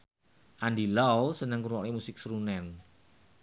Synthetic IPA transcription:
ʔandilawsənəŋkuɾwɔkemusɪk̚sɾunɛn

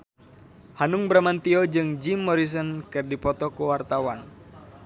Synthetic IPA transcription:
hanuŋbɾamant̪iɔd͡ʒɨŋd͡ʒimːɔɾis̬ɔnkɨrdipɔt̪ɔkuwart̪awan

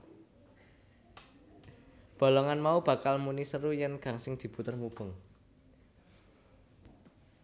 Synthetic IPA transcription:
b̥o̤lɔŋanmaub̥ä̤kalmunisəɾujɛnɡ̥a̤ŋsɪŋd̪̥i̤b̥ut̪ərmub̥ʊ̤ŋ

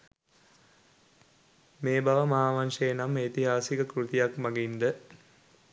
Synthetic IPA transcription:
meːbaʋəmaaːʋanʂejenamːet̪iɦaːsikəkɾut̪ijakmaɡind̪ə

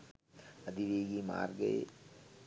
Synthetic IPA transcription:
ɐd̪iʋeːɡima̰ːɾɡɐḛ

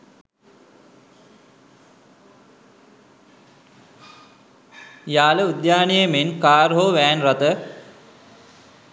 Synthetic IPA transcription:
jaːləud̪jaːnijemenkaːɾɦoʋæːnrat̪ə

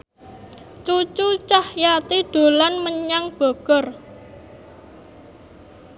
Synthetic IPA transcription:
t͡ʃut͡ʃut͡ʃahjat̪iɖ̪̥o̤lanməɲaŋb̥o̤ɡ̥ɔ̤r

